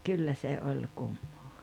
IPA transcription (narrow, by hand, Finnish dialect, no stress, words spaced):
kylːæ se olʲ kumːoː